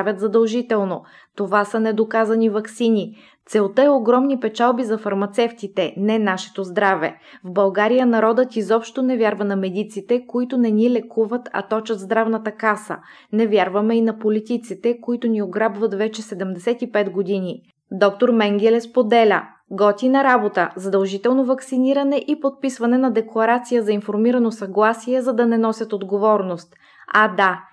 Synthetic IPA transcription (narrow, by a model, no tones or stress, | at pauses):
vʲjət̪zɐd̪ɐlˠʒit̪ɛlˠno | t̪ovasɐnɛd̪okazɐnivɐksini | t̪sɛot̪əɛoɡɾɔmnipɛt͡ʃalˠbizɐfɐɾmɐt̪sɛft̪it̪ɛnɛnaʃɛ̥t̪ozd̪ɾavɛ̰ | vbɐlˠɡaɾijənɐɾɔd̪ət̪izɔpʃt̪onɛvʲjaɾvɐnɐmɛd̪it̪sit̪ɛkoit̪onɛnʲilɛkuvət̪ɐ̰t̪ɔt͡ʃət̪zd̪ɾavnɐt̪əkasə̰ | nɛvʲjaɾvɐmɛinɐpolit̪it̪sit̪ɛkoit̪ʊnioɡɾabvɐt̪vɛt͡ʃɛsɛd̪ɛmd̪ɛsɛt̪ipɛt̪ɡod̪ini | d̪ɔk̚t̪oɾmɛŋɡʲɛlɛspod̪ɛlʲə̰ | ɡɔt̪ʲinɐɾabot̪əzɐd̪ɐlˠʒit̪ɛlˠnovɐksiniɾɐnɛʔipot̪̚pisvɐnɛnɐd̪ɛklˠɐɾat̪sijəzɐinfoɾmiɾɐnosɐɡlˠasiɛzɐd̪ɐnɛnɔsʲət̪od̪ɡovɔɾnost̪ | ad̪a